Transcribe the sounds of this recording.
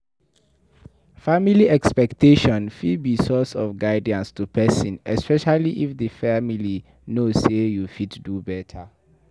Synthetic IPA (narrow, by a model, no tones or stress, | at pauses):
familiɛkspɛktʰeʃɔ̃nfidbisɔsɔfɡaɪdiãnstupʰɛsĩnɛspɛʃaliʔifdəfamili | nossejufitdubɛtʰa